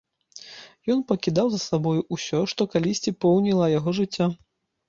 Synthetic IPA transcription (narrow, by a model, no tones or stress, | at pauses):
jɔnpɐkʲid̪awzɐsabɔjuusʲɔʂt̪ɔkalʲisʲt͡sʲipɔwnʲilˠɐjaɣɔʐɨt͡sʲːa